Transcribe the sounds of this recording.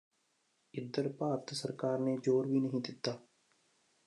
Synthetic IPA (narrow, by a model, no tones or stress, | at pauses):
ɪd̪əɾpaːɾt̪səɾkaːɾned͡ʒoːɾbʱiːnəɦĩd̪ɪt̪ːaː